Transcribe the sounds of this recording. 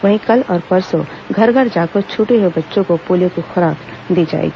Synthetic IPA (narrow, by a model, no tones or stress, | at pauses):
ʋəɦĩkəlɔːɾpəɾso | ɡʱəɾɡʱəɾd͡ʒakot͡ʃʰuːʈeɦobətːʃõkopoːlijõkoxɐɾaːb | d̪id͡ʒa̰ḛki